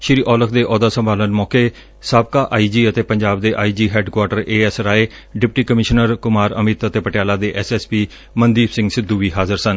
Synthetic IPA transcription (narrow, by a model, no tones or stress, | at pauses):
ʃɪɾiːʔɔːləkʰd̪eːʔɔːd̪aːsəmbaːlənmɔːkeː | saːb̚kaːʔaːiːd͡ʒiːət̪eːpəɲd͡ʒaːb̚d̪eːʔa̰ːiːd͡ʒiːɦɛːɖkwaːʈəɾeːɛːsɾaːeː | ɖɪpʈiːkəmɪʃnəɾkʊmaːɾə̰mɪt̪ət̪eːpəʈɪjaːlaːd̪eːʔɛːsɛːspiː | mənd̪iːbsɪ̃ŋɡsɪd̪ːuːʋiːɦaːzəɾsən